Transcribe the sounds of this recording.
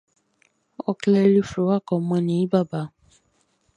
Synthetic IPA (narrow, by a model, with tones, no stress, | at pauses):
ɔ˧klɛ˧ɾi˦fo˨˦wa˦˨kɔ˨˦mã˧nĩ˨i˦ba˦˨ba˨˦